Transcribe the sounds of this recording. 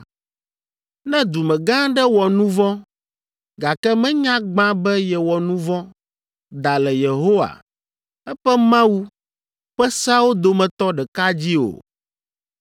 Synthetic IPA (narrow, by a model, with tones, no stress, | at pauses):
nɛ̃˦d̪u˨mɛ̃˨ɡã˦ɖɛ˦wɔ˨nũ˦vɔ̃˦ | ɡa˨kɛ˦mɛ̃˦ɲã˦ɡ͡bã˦bɛ˦jɛ˨wɔ˨nũ˦vɔ̃˦ | d̪a˨lɛ˨je˨ɦo˦wa̰˨ | ɛ˦ɸɛ˦mã˦wu˦ | ɸɛ˦sa˦wo˦d̪o˨mɛ̃˨t̪ɔ˦ɖɛ˨ka˦d͡ʑi˦o̰˨